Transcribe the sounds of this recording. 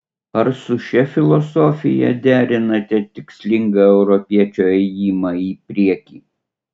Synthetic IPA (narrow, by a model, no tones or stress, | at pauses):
ɐɾsʊʃʲɛfʲɪlˠɔsɔːfʲɪ̰jɛ̰d̪ʲæːɾʲɪnɐt̪ʲɛt̪ʲɪksʲlʲɪŋɡɐɛʊɾɔpʲiɛt͡ʃʲoːɛjiːmɑiːpʲɾʲiɛkʲiː